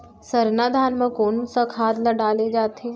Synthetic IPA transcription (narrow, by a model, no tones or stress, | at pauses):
səɾnaːd̪ʱaːnmə̃koːnusakʰaːd̪ləɖaːled͡ʒaːt̪eː